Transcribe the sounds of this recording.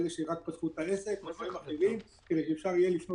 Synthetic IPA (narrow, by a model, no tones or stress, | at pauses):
zeʃeʁak̚pat̪χut̪aese̞kmefaimaχilim | ked̪ejʃeefʃaʁijelifno